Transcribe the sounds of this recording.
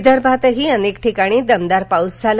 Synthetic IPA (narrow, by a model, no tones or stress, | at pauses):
d̪əɾbʱat̪əɦiənekʈʰikaɽ̃iːd̪əmd̪aɾpawsd͡zal